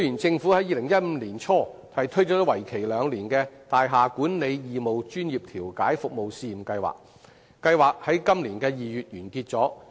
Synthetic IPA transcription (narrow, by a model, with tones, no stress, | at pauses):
sɵ˧jyː˨˩nt͡sɪ˧ŋfuː˨˥hɐ˨˥jiː˧lɪ˨˩ŋjɐ˥t̚m̩˨˦˥liː˨˩nt͡ʃʰɔː˥ | hɐ˨˩jt̪ʰɵ˥ɥt͡sɔː˨˧˥t̪ɐ˥wɐ˨˩jkʰe˨˩jlœː˨˧ŋliː˨˩nkɛː˧t̪aː˨jɦaː˨kuː˨˥nle˨˧jjiː˨mo˨wt͡ʃyː˥njiː˨p̚t̪ʰiː˨˩wkaː˨˥jfʊ˨k̚mo˨wsiː˧i˨˩mkɐ˧jwa̰ː˨˩k̚ | kːɐ˧jwaː˨˩k̚hɐ˨˥jkɐ˥mliː˨˩nkɛː˧jiː˨jyː˨t̚jyː˨˩nkiː˧t̚t͡sɔː˨˥